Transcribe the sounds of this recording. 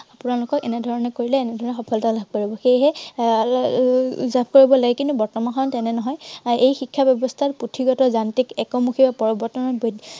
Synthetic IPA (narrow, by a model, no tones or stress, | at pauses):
apʊnaɹlʊkɔkɛnɛdʱɔɹɔnɛkoɹilɛːnɛdʱɔɹɔnɛxɔpʰɔlɔtalab̚koɹibɔxejɦɛ | zabkoɹibɔlaɡɛkintubɔɹtɔmankʰɔntɛnɛnɔɦɔjejxikʰːabɛbɔstʰatputʰiɡɔtɔzantikɛkɔmuxʰibapɔɹɔbɔɹtɔnɔbod